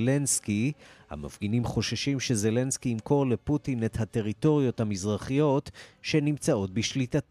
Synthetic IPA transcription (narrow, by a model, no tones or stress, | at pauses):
lenskiha̰ma̰fɡinimχo̞ʃaʃimʃe̞ze̞le̞nskiimko̞ʁle̞putinethate̞ʁito̞ʁijo̞thamizʁaχijo̞t̪ʃe̞nimt͡sao̞t̚biʃlitat